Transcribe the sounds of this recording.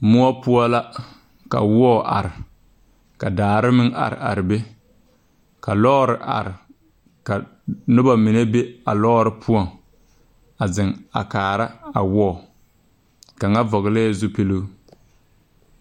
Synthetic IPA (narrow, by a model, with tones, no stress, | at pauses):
mʊ˦a˦pʊ˦a˦la˦ | ka̰˨wɔ˦˨ʔa̰˨ɾɪ˨ | ka˨daː˨ɾɪ˦mɪ˦ŋʔa̰˨ɾɪ̰˨ʔa̰˨ɾɪ˨be˦ | ka˨lɔː˦ɾɪ˨ʔa̰˨ɾɪ˨ | ka˨ | nʊ˦ba˨mɪ˨ne˦be˦a̰˨lɔː˦ɾɨ˦pʰʊ˦ɔ˨ŋ | a˨zɪ˨ŋa̰˨kaː˨ɾa˦a˨wɔː˦˨ | ka˨ŋa˦vɔ˨ɣɪ˨lɛ˦zʊ˦pe˦lu˦